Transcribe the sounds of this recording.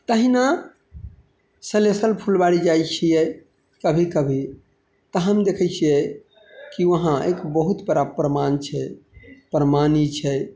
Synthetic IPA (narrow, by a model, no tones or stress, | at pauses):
t̪əɦina | səlesəlpʰulbaɽid͡ʒajt͡ʃʰijɛ | kəbʱikəbʱi | t̪əɦəmd̪ekʰət͡ʃʰijɛ | kiʋəɦãekbəɦut̪bəɾapɾəmant͡ʃʰɛpɾəmanit͡ʃʰɛ